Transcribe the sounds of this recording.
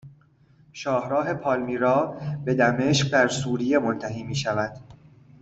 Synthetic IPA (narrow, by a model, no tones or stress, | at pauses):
ʃɒːhɾɒːɦe̞pʰɒːlmiːɾɒːbe̞d̪æme̞ʃq̚d̪æɾsuːɾije̞mont̪ʰæɦiːmiːʃævæd̪̥